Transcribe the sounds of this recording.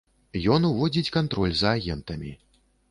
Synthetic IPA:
jɔnuvɔd͡zʲit͡sʲkant̪ɾɔlʲzɐːɣʲɛnt̪ɐmʲi

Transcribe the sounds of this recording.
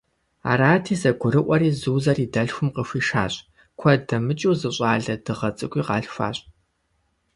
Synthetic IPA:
a̰ːɾaːtʰiːzɐɡʷʰʊɾɨʔʷɐɾiːzuːzɐriːdɐɬxʷʊmqəxʷiːʂa̰ːɕʼ | kʷʰɐdɐmɨt͡ʃʼuwzɨɕʼaːɮɐdɨʁɐt͡sʼɨkʷʼiːqɑːɬxʷa̰ːɕʼ

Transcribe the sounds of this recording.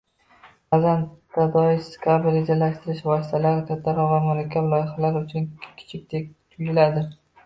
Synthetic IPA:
azanʰːad̪ɒɪʃskʰaɾbɪled͡ʒaɾlːaʃt̪ɪɾɪʃvɒsɪ̥t̪ʰalaɾɪkʲʰat̪ʰːaɾɒvamʊɾakʲʰːablˠɒjɪχalaɾʊt͡ʃʰʊnkʲʰɪ̥t͡ʃʰɪk̚ʲd̪ek̚ʲt̪ʰʊjɪlad̪ɪ

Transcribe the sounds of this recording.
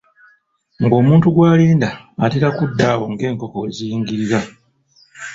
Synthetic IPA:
ŋɡo̞ːmuːntuɡwaːliːndaːtiɾakudːaːwo̞ŋɡe̞ːŋko̞ko̞zijiːŋɡiɾiɾa

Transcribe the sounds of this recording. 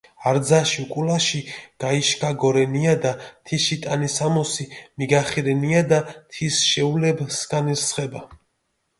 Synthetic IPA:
aɾd̪zaʃiukʼulaʃiɡ̥aiʃkʰaɡɔɾɛniad̪at̪ʰiʃit̪ʼanisamɔsimiɡaχiɾɛniad̪at̪ʰisʃɛulɛbsɡaniɾsχɛba

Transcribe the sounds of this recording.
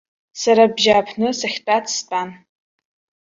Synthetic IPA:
saɾabʒaːpʰnɨsaχʲt͡pʼatʰʼstʷʼan

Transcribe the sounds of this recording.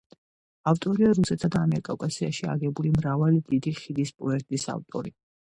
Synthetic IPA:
aft̪ʼɔɾiaɾusɛt̪sad̪aːmɛɾkʼakʼasiaʃia̰ɡɛbulimɾavalid̪id̪iχid̪ispʼɔɛɾt̪ʼisa̰ft̪ʼɔ̰ɾi

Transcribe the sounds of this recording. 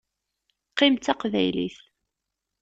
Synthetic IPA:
qːɪmt̪ːæqvæ̰jlḭθ

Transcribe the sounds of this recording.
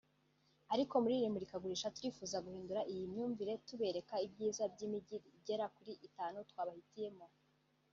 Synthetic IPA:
aɾiko̞muɾiːɾimuɾikaɡuɾiːʃatuɾifuːzaɡuhiːnduɾaʔijimɲuːɱviɾe̞tuβe̞ɾe̞kaibɟiːzabɟimiɟiɾiɟe̞ɾakuɾiʔitaːnutwaːβahitije̞mo̞

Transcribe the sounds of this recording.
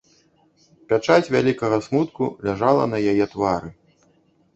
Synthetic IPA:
pʲat͡ʂat͡sʲvʲalʲikɐɣɐsmut̪kulʲaʐalˠɐ̰nɐjajɛt̪vaɾɨ

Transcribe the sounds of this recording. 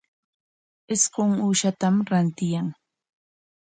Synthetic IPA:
ɪsqoŋuːʃat̪amɾant̪ɪjaŋ

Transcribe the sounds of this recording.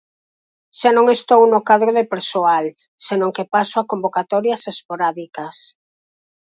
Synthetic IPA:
ʃanõŋest̪ownokaðɾoðepeɾsoal | senõŋkepasoakombokat̪ɔɾjɐsespoɾaðikɐs

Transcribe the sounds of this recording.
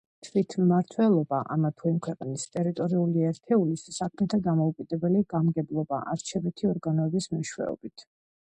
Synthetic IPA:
t̪ʰvit̪ʰmːaɾt̪ʰwɛlˠɔbaʔa̰mat̪ʰuimkʰwɛqʼnist̪ʼɛɾit̪ʼɔɾiuliɛɾt̪ʰɛulissakʰmɛt̪ʰad̪amɔukʼid̪ɛbɛliɡamɡɛblˠɔba̰ʔaɾt͡ʃʰɛbɛt̪ʰiɔɾɡanɔɛbismɛʃwɛ̰ɔ̰bit̪ʰ

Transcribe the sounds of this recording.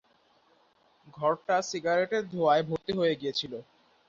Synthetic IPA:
ɡʱɔɾʈasiɡaɾeʈeɾd̪ʱoaebʱoɾt̪eɦoeɡiet͡ɕʰilo

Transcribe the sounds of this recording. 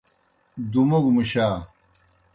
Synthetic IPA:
d̪umoɡmuɕaː

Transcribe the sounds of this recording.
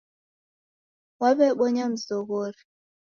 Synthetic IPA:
waβɛɓɔɲam̩zɔɣɔɾi

